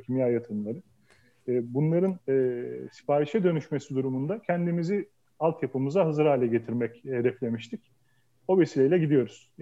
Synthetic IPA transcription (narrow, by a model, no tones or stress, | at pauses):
cʰimjaːjat̪ʰɯnlˠaɾɯː | bunlˠaɾɯnɛːsi̥paːɾiʃɛd̪ø̞nyʃme̞sid̪uɾumund̪acʰænd̪imizi | alˠt̪japɯmɯzaɦɯzɯɾaːlʲɛɟe̞t̪ʰiɾmɛched̪ɛflʲe̞miʃt̪ʰic | o̞ve̞silʲejilʲɛɟid̪ijo̞ɾuz̥